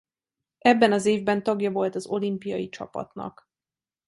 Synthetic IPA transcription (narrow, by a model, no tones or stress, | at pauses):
ɛbːɛnɒzeːvbɛnt̪ɒɡjɒvo̞lt̪ɒzo̞limpijɒ̰jit͡ʃɒ̰pɒ̰t̪nɒ̰k